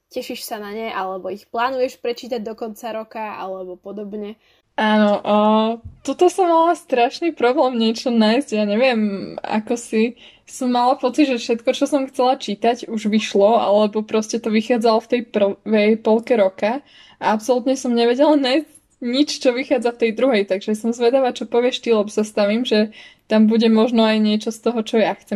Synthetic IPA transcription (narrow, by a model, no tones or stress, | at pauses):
cɛʃiʃsanaɲɛʔalɛbɔixplaːnujɛʃpɾɛt͡ʃiːt̪aɟ̚d̪ɔkɔnt͡saɾɔkaa̰lɛbɔpɔd̪ɔbɲɛ | aːnɔʔːt̪ɔt̪ɔsɔmːalast̪ɾaʃnipɾɔblɛːmɲɪɛt͡ʃɔnajzɟjaːɲɛʋɪɛma̰kɔsi | sɔmːalapɔt͡sidʒɛfʃɛt̪kɔt͡ʃɔsɔmxt͡sɛlat͡ʃiːt̪aɟuʒʋiʃlɔa̰lɛbɔpɾɔscɛt̪ɔʋixaːd͡zalɔft̪ɛjpr̩ʋɛjpɔlkɛɾɔka | aapsɔlut̪ɲɛsɔmɲɛʋɛɟɛlanajsc | ɲit͡ʃt͡ʃɔʋixaːd͡zaft̪ɛjd̪ɾuɦɛjt̪aɡʒɛsɔmzʋɛd̪aʋat͡ʃɔpɔʋɪɛʃt̪ilɛbɔsast̪aʋiːmʒɛt̪ambuɟɛmɔʒnɔajɲɪɛt͡ʃɔst̪ɔɦɔt͡ʃɔjaxt͡sɛm